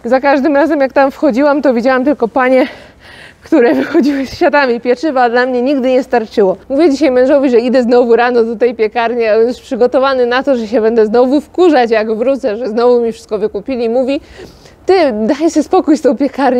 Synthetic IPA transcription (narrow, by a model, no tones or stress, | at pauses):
zakaʐd̪ɘmɾazɛmjakt̪amfxɔd͡ʑiwamt̪ɔvʲid͡ʑawamt̪ɘlkɔpaɲɛ | kt̪uɾɛvɘxɔd͡ʑiwɘsfʲjad̪amʲipʲjɛt͡ʂɘvad̪lamɲɛɲiɡd̪ɘɲɛst̪aɾt͡ʂɘwɔmuvʲjɛd͡ʑiɕajmɛ̃w̃ʐɔvʲiʐɛid̪ɛznɔvuɾanɔd̪ɔt̪ɛjpʲjɛkaɾɲiaɛnspʂɘɡɔt̪ɔvanɘnat̪ɔʐɛɕɛbɛnd̪ɛznɔvufkuʐat͡ɕjaɡvɾut̪sɛʐɛznɔvumʲifʂɘ̥st̪̚kɔvɘkupʲilʲiːmuvʲi | t̪ɘd̪ajsɘspɔkujst̪ɔ̃w̃pʲjɛkaɾɲ